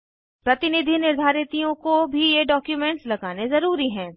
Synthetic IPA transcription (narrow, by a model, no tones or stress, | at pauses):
pɾɐt̪ɪnɪd̪ʱinɪɾd̪ʱaːɾɪt̪ijõkobʱijeɖɔːkjumɛ̃ɳʈslɐɡaːnezɐɾuːɾiɦɛ̃ː